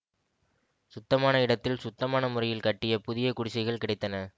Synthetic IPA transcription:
sʊt̪ːɐmaːnɐɪɽɐt̪ːɪlsʊt̪ːɐmaːnɐmʊrɐjɪlkɐʈːɪjɐpʊðɪjɐkʊɽɪsɐɪɣɐɭkɪɽɐɪt̪ːɐnɐ

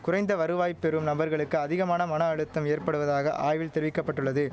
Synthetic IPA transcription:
kʊɾɐɪnd̪ɐʋɐɾɯʋaːjpːɛɾɯmnɐbɐɾɣɐɭɯkːɯɐðɪɣɐmaːnɐmɐnɐːɻɯt̪ːɐmeːɾpɐɽɯʋɐðaːɣɐʔʔaːjʋɪlt̪ɛɾɪʋɪkːɐpːɐʈːɯɭːɐðɯ

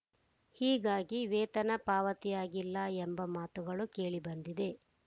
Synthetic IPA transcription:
hiːɡaːɡiʋɛːt̪ɐnɐpaːʋɐt̪ijaːɡilːɐembɐmaːt̪uɡɐɭuke̞ːɭibɐnd̪id̪e̞

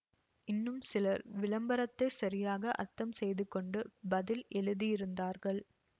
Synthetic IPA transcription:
ɪnːɯmsɪlɐɾʋɪlɐmbɐɾɐt̪ːɐɪsɐɾɪjaːɣɐʔɐ̰ɾt̪ɐmsɛjðɯkːɔɳɖɯbɐðɪlɛɻɯðijɪɾɯnd̪aːɾɣɐɭ

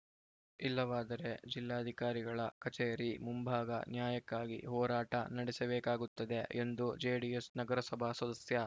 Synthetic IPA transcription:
ilːɐʋaːd̪ɐɾe̞d͡ʒilːaːɐd̪ʱikaːɾiɡɐɭɐkɐt͡ʃeːɾimumbʱaːɡɐ̰njaːjɐkːaːɡḭɦɔːɾaːʈɐ̰nɐɽɛsɐbeːkaːɡut̪ːɐd̪e̞ʔend̪ud͡ʒeːɖiesnɐɡɐɾɐsɐbʱasɐd̪ɐsjɐ

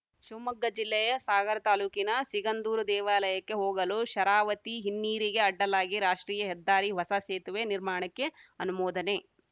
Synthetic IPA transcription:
ʃuːmɐɡːɐd͡ʒilːɛjɐsaːɡɐɾɐt̪aːluːkinɐsiɡɐnd̪uːɾud̪ɛːʋaːlɐjɐkːe̞ɦoːɡɐluʃɐɾaːʋɐt̪iɦinːiːɾiɡeɐɖːɐlaːɡiɾaːʂʈɾiːjɐɦɛd̪ːaːɾiʋɐsɐseːt̪uʋeniɾmaːɳɐkːe̞ɐnumɔːd̪ɐne

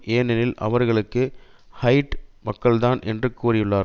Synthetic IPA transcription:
ʔeːnɛnɪlʔɐ̰ʋɐɾɣɐɭɯkːɯ | hɐɪʈmɐkːɐɭðaːnʔɛ̰ndrɯkːuːɾɪjɯɭːaːɾ

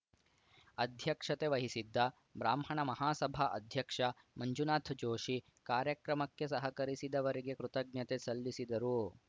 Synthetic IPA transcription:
ɐd̪ʱjɐkʂɐt̪eʋɐɦisid̪ːɐ | bɾaːmɦɐɳɐmɐɦaːsɐbʱɐʔɐ̰d̪ʱjɐkʂɐ | mɐɲd͡ʒunaːt̪ʰd͡ʒoːʂi | kaːɾjɐkɾɐmɐkːesɐɦɐkɐɾisid̪ɐʋɐɾiɡekɾut̪ɐɡ̚njɐt̪esɐlːisid̪ɐɾu

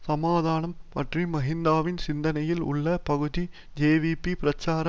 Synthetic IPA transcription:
sɐmaːðaːnɐmpɐʈrimɐɣɪnd̪aːʋɪnsɪnd̪ɐnɐjɪlʊ̰ɭːɐpɐɣɯði | d͡ʒeːʋipipɪɾɐt͡ʃːaːɾɐ

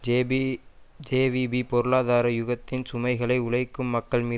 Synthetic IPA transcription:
d͡ʒeːʋibipɔɾɯɭaːðaːɾɐjʊɣɐt̪ːɪnsʊmɐɪɣɐɭɐɪʊɭɐɪkːɯmːɐkːɐɭmiː

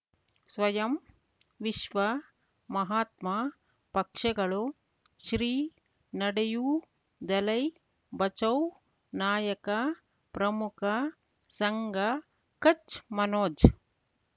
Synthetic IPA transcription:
sʋɐjɐm | ʋiʃʋɐ | mɐɦaːt̪ma | pɐkʂɐɡɐɭu | ʃɾiː | nɐɽejuː | d̪ɐlɐj | bɐt͡ʃɐw | naːjɐkɐ | pɾɐmukʰɐ | sɐŋɡɐ | kɐt͡ʃmɐnoːd͡ʒ

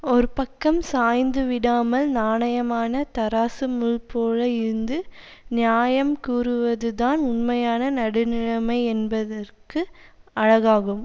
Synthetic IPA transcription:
ɔɾɯpɐkːɐmsaːjnd̪ɯʋɪɽaːmɐlnaːɳɐjɐmaːnɐt̪ɐɾaːsɯmʊɻpoːlɐɪɾɯnd̪ɯ | nɪjaːjɐmkuːrɯʋɐðɯðaːnʊnmɐjaːnɐnɐɽɯnɪɻɐmɐɪɛnbɐðɐrkɯɐɻɐɣaːɣɯm

